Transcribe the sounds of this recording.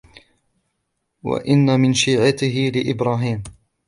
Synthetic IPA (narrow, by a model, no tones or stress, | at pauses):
wa̰ʔɪnːamɪnʃiːʕat̪ɪɦɪlɪʔɪbɾɑːɦiːm